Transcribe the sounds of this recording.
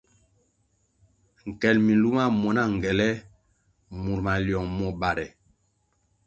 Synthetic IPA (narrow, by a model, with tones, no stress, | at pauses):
ŋ̩˨kɛ˨lmi˨nlu˦ma˦mɔ˨na˦˨ŋ˨ɡɛ˨lɛ˦ | mu˨ɾma˨ljɔ˨ŋmɔ˨ba˨ɾɛ˨